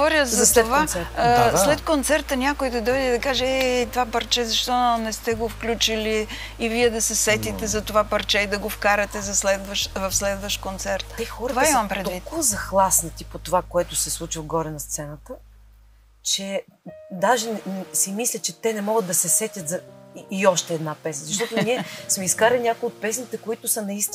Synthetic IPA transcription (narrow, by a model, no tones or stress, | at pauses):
ɡovɔɾjəzzɐt̪ovaɾaslɛt̪̚kont̪sɛɾt̪ənʲakojd̪ɐd̪ɔjd̪ɛd̪ɐkaʒɛɛt̪ovapɐɾt͡ʃɛzɐʃt̪ɔnɛst̪ɛɡofklʲut͡ʃiliː | viɛd̪ɐsɛsɛt̪it̪ɛzɐt̪ovapɐɾt͡ʃɛid̪ɐɡofkaɾɐt̪ɛzɐslɛd̪vəʃt̪vɐfslɛd̪vəʃt̪kont̪sɛɾt̪t̪ɛtxɔɾt̪ovaimɐmpɾɛd̪vit̪kvɐzɐxlˠasnɐt̪ipot̪ovakoɛt̪ʊsɛslˠut͡ʃivɐɡɔɾɛnɐst̪sɛnət̪ə | t͡ʃɛ | d̪aʒɛnsimislʲət͡ʃɛt̪ɛnɛmɔɡəd̪ɐsɛsɛt̪ʲət̪zɐiɔʃt̪ɛːd̪napɛsnəzɐʃt̪ɔt̪onniɛsmɛiskaɾɐlʲinʲakoiot̪̚pɛsnit̪ɛkoit̪ʊsɐnɐist̪i